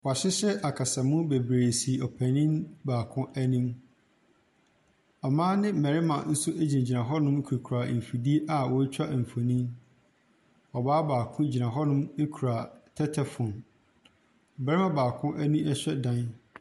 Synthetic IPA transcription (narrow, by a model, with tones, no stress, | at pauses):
wɔ˨a˨ɕɪ˦ɕɛ˦ʔa˨kʰa˨sa˨mʊ̃˦be˨bɾeː˨si˨ɔ˨pʰæ˨nĩ˦nbaː˨kʰʊ̃˦ʔæ˦nĩ˦m | ɔ˨mãː˦nɪ̃˦mɛ˨ɾɪ˦mã̰˨n̩˦sʊ˦ʔe˦d͡ʑĩ˨d͡ʑi˨nã˨ɦɔ˦nʊ̃˦m˦kʰu˨kʰɾa˨m̩˨fu˨di˦e˦ʔa˨wɔ˨˦t͡ɕᶣa˦ʔ̩˨fo˨nĩ˦ | ɔ˨baː˦baː˨kʰʊ̃˦˨d͡ʑi˨nã˨ɦɔ˦nʊ̃˦me˦kʰu˨ɾa˨tʰɛ˦tʰɛ˨fʊ̃˨n˨ | bɛ˨ɾɪ˦mã˦˨baː˨kʰʊ̃˦ʔæ˦nũ˦ɛ˦ɕᶣɛ˦dã˦n